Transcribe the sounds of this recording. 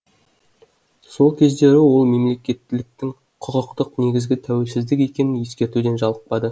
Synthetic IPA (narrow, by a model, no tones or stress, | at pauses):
so̞lˠkʲʰe̞zd̪e̞ɾɪwo̞lˠme̞mle̞kʲe̞t̪ːɪlɪk̚t̪ɪŋ | qʰʊqəqt̪əqne̞ɡʲɪzɡʲɪt̪ʰæwe̞lsɪzd̪ɪke̞kʲe̞nɪnje̞skʲe̞ɾt̪ud̪e̞nʒɑlˠəq̚pɑd̪ə